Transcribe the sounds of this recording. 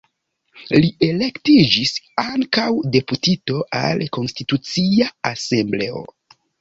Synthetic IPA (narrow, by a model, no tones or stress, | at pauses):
lie̞le̞ktid͡ʒisaŋkawde̞putito̞ʔa̰lko̞nstitut͡siaase̞mble̞o̞̰